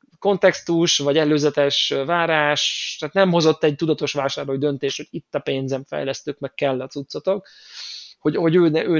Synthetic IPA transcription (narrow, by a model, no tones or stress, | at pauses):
ko̞nt̪ɛkst̪uʃvɒɟɛløːzɛt̪ɛʃvaːɾaːʃt̪aːt̪nɛmho̞zo̞t̪ːɛɟ̚t̪ud̪ɒt̪o̞ʃʋaːʃaːrloːjd̪ønt̪eːʃt̪hoɟ̥it̪ːɒpeːnzɛɱfɛ̰jlɛst̪øːkmɛkkɛlːɒt̪sut̪sot̪o̞k | hoɟho̞ɟøːnɛʔøː